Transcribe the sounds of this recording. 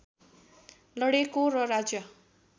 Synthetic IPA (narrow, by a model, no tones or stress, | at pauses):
lʌɽekoɾʌrad͡zjʌ